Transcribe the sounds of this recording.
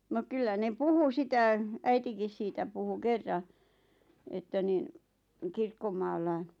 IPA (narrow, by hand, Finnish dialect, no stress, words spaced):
no kylːæ ne puhu sitæ æitikis siːtæ puhu kerːɑ etːæ nin̆ kirkːomɑːlːɑi